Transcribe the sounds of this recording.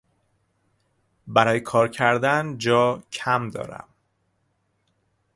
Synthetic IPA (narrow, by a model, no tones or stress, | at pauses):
bæɾɒːjekʰɒːɾcʰæɾd̪ænd͡ʒɒːcʰæmd̪ɒ̰ːɾæ̰m